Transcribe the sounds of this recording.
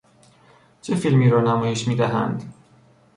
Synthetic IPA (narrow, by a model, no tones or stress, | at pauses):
t͡ʃʰefilmiːɾɒːnæmɒːje̞ʃmiːd̪æɦæ̰nd̪